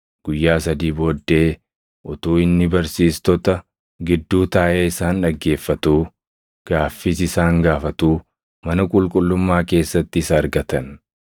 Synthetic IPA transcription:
ɡ̥ʊjːaːsɐd̪iːbo̞ːd̪ːe̞ː | ʔɔt̪uːɪnːɪbɐɾsiːst̪ɔt̪ɐ | ɡɪd̪ːuːt̪aːʔeːɪsaːnᶑɐɡːe̞ːfːɐt̪uː | ɡ̥aːfːisɪsaːŋɡaːfɐt̪uː | mɐnɐkʼʊlkʼʊlːʊmːaːke̞ːsːɐt̪ːɪsɐːɾɡɐt̪ɐn

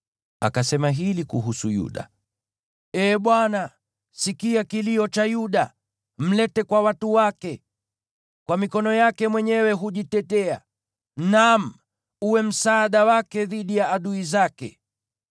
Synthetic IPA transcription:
a̰kasɛmaɦilikuɦusujṵɗa̰ | ɛːɓwana | sikiakiliɔt͡ʃajuɗa | m̩lɛtɛkwawatuwakɛ | kwamikɔnɔjakɛmwɛɲɛwɛɦuʄitɛtɛa̰ | nam̩ | uwɛm̩saːɗawakɛðiɗijaːɗuizakɛ

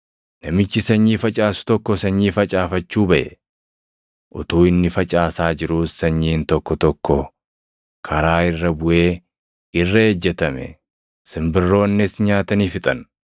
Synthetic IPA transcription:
nɐmɪt͡ʃːɪsɐɲːiːfɐt͡ʃʼaːsʊ̥t̪ɔkːɔsɐɲːiːfɐt͡ʃʼaːfɐt͡ʃːuːbɐʔɛ | ʔʊ̰t̪uːɪnːɪfɐt͡ʃʼaːsaːd͡ʒɪɾʊssɐɲːiːnt̪ɔkːɔt̪ɔkːɔ | kʰɐɾaːɪrːɐbʊʔeː | ɪrːɐeːd͡ʒːɛt̪ɐmɛ̰ | sɪmbɪrːo̞ːnːɛsɲaːt̪ɐniːfɪt̪ʼɐn

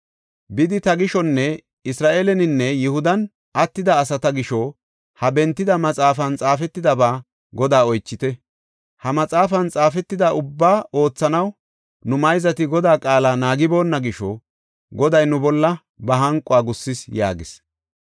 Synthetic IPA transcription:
bɪd̪ɪt̪ɐɡɪʃɔnːɛ | ɪsɾaːʔeːlɛnɪnːɛjɛhʊd̪ɐn | ʔɐt̪ːɪd̪ɐːs̬ɐt̪ɐɡɪʃɔ | hɐbɛnt̪ːɪd̪ɐmɐt͡sʼaːfɐnt͡sʼaːfɛt̪ːɪd̪ɐbaː | ɡɔd̪aːɔjt͡ʃːɪt̪ɛ | hɐmɐt͡sʼaːfɐnt͡sʼaːfɛt̪ːɪd̪ɐʊbːaːʔo̞ːt͡sːɐnɐw | nʊmɐjzɐt̪ɪɡɔd̪aːkʼaːlaːnaːɡɪbo̞ːnːɐɡɪʃɔ̰ | ɡɔd̪ɐjnʊbɔlːɐ | bɐɦɐŋkʼʊaːɡʊsːɪsja̰ːɡɪs

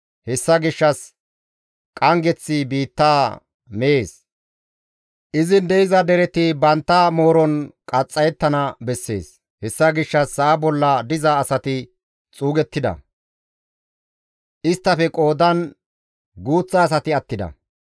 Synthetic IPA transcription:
hɛsːɐɡɪʃːɐs | kʼɐŋɡɛt͡sːɪbiːt̪ːaː | mɛeːs | ʔɪzɪnd̪ɛɪzɐd̪ɛɾɛt̪ɪbɐnt̪ːɐmo̞ːɾɔnkʼɐt͡sʼːɐjɛt̪ːɐnɐbɛsːe̞̰ːs | hɛsːɐɡɪʃːɐsːɐʔːbɔlːɐd̪ɪzɐːsɐt̪ɪ | t͡sʼuːɡɛt̪ːɪd̪ɐ̰ | ʔɪst̪ːɐfɛkʼo̞ːd̪ɐn | ɡuːt͡sːɐːs̬ɐt̪ɪɐt̪ːɪd̪ɐ̰

